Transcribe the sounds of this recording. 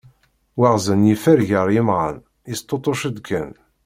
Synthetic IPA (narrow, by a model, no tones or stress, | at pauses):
waʁzənjifæɾʝəɾˤɪmʁə̰n | ist̪ˤːot̪ˤoʃəd̪kən